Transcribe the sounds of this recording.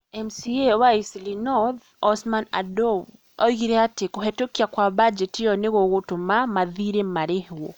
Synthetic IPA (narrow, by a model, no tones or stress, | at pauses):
ɛmsiewaisilinɔð | ɔsmana̰dɔ | ɔiɣiɾɛatekoɦɛtokiakwabad͡ʒɛtijɔneɣoɣotomamaðiɾemaɾehwɔ